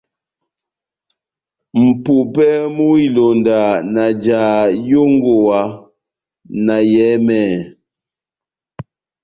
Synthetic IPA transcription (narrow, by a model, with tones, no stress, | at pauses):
m̩˨pu˨pɛ˦mu˦i˨lo˨nda˨na˨d͡ʒaː˨jo˦ŋɡo˨wa˨ | na˨jɛ˨˦mɛ˦˨